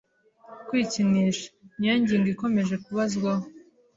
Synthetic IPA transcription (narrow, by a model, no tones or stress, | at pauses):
kwiːciniʃḁɲaɲɟiːŋɡiko̞me̞ʒe̞kuβazɡwaho